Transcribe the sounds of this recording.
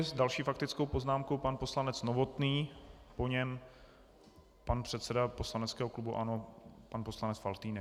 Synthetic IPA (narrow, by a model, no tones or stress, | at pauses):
ɪzdalʃiːfak̚t̪ɪt͡skowpo̞znaːmko̞wpanpo̞slanɛt͡snovo̞t̪niːpo̞ɲɛm | panpr̝̥ɛt̪sɛdapo̞slanɛt͡skɛːɦoklubuʔa̰nopanpo̞slanɛt͡sfalt̪iːnɛ